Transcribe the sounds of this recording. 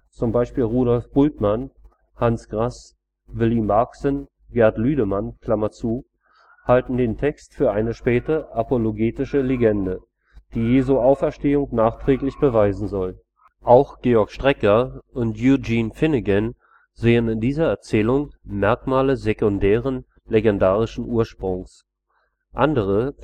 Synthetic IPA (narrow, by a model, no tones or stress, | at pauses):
t͡sʊmbaɪʃpiːlʁuːɾɔlfb̥ʊltman | hansɡ̥ʁas | vɪliːmaksən | ɡ̥ɛɐtlyːɾəmankʰl̥amɐt͡suː | haltn̩deːntʰɛkstfyːɐʔaɪnəʃpɛːtəʔapoloɡeːtɪʃəleɡɛndə | d̥iːjeːzuʔaʊfɛɐʃteːʊŋnaːχtʁ̥ɛːklɪçb̥əvaɪzn̩zɔl | ʔaʊxɡ̥eːɔɐkʃtʁ̥ɛkɐʔʊntjud͡ʒiːnfɪnɪɡɛn | zeːənɪndiːzɐɛɐt͡sɛːlʊŋmɛɐkmaːləzekʊndɛːʁən | leɡɛndaːʁɪʃn̩ʔuːɐʃpʁ̥ʊŋs | ʔandəʁ̞ə